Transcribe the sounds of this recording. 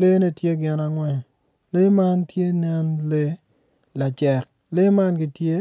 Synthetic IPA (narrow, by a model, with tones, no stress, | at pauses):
le˦ne˦tje˦ɡɪ˨na˨ŋwɛ˨ | le˦ma˦ntje˦nɛ˦nle˦ | la˨t͡ʃɛ˨k̚ | le˦ma˦nɡɪ˨tje˦